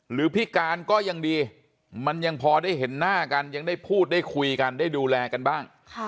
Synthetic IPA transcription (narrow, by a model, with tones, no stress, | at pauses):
ɾɯː˩˦pʰi˦˥˩kaː˧nkɔː˥˩ja˧ŋdiː˧ | ma˧nja˧ŋpʰɔː˧daː˥˩jɦe˩˦nːaː˥˩ka˧nja˧ŋdaː˥˩jpʰuː˥˩t̪̚daː˥˩jkʰu˧jka˧ndaː˥˩jduː˧lɛː˧ka˧nbaː˥˩ŋkʰ